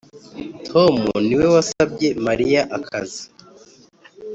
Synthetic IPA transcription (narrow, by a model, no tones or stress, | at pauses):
tʰo̞mṵniwe̞wasab̚ɟe̞maɾijaʔakʰa̰zi